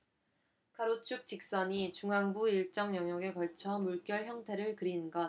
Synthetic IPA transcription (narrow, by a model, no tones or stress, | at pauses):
kʰaɾot͡ɕʰuk̚t͡ɕ͈ik̚s͈ʌɲit͡ɕuŋɦaŋbuiɭt͡ɕ͈ʌŋjʌŋjʌɡe̞kʌɭt͡ɕʰʌmuɭk͈jʌɭçjʌŋtʰe̞ɾɯɭkɯɾinɡʌ